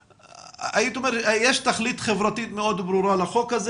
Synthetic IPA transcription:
ʔajit̪ʊmeɾjeːʃt̪axliːt̪xɪvɾˤɑt̪iːt̪̚mɪʔoːd̪bɾuɾˤɑːlaxoːkaz

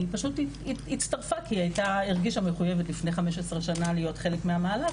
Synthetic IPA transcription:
ipaʃutiiitstaʁfakiajtaiʁɡiʃame̞χuje̞vetlifneχame̞ʃ̬esʁeʃanalijo̞tχe̞lekmeamaːla

